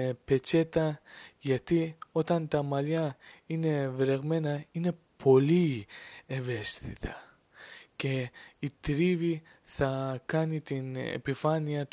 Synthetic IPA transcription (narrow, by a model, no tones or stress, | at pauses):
pe̞t͡ʃe̞t̪ɐʝɐt̪io̞t̪ɐnt̪ɐmɐlɐine̞vɾe̞ɣme̞nɐine̞ | pʰo̞lieve̞st̪ḭt̪ʰɐ | ce̞it̪ɾivi | θɐkɐnit̪inḛpifɐniɐt̪